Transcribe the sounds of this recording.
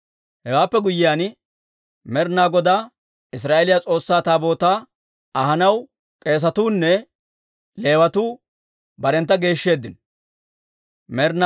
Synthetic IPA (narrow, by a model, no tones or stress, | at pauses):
hɛwaːpːɛɡʊjːɪjaːn | mɛɾnaːɡɔd̪aː | ɪs̬ɾaːʔelɪjat͡sʼo̞ːsːaːt̪aːbo̞ːt̪aː | ɐɦɐnɐw | kʼe̞ːs̬ɐt̪uːnːɛ | le̞ːwɐt̪uː | bɐɾɛnt̪ːɐɡe̞ːʃːe̞ːd̪ːɪn | mɛɾn